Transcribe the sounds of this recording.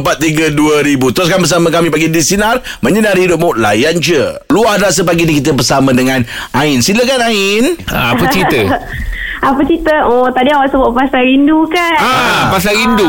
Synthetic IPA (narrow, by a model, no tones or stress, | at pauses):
pat̪̚ːiɡəduəɾibut̪ɾʊs̬kanbəs̬amə̃kamĩpaɡidisinarmə̃ɲənaɾidop̚mʊʔla̰jand͡ʒəluadɾas̬əpaɡinikit̪əbərsamə̃dəŋãnaɪnsiləkanaɪna̰apət͡ʃit̪ə | apət͡ʃit̪əɔt̪adiawaʔsəbəʔpasaɾindukaapas̬aindu